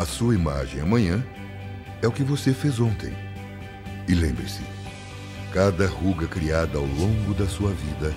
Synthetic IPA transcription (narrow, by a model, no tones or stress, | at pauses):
ɐsuɐima̰ʒẽj̃ɐmɐ̃ɲɐ̃ | ɛʊkɪvosefezõnt̪ḛ̃j̃ | ɪlẽmbɾɪsɪ̰ | kad̪ɐhuɡɐkɾiad̪ɐawlõŋɡʊd̪ɐsuɐvid̪ɐ